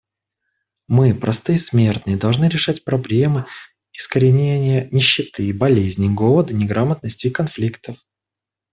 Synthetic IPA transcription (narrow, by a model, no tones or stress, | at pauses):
mɨpɾʔɐst̪ɨjsmʲert̪nɨjəd̪ɐlˠʐnɨɾʲɪʂatʲpɾɐblʲe̞mɨ | ɪskəɾʲɪnʲenʲɪjənʲɪɕːɪt̪ɨbɐlʲezʲnʲɪɡo̞vˠəd̪ənʲɪɡɾamət̪nəsʲtʲɪkɐnflʲikt̪əf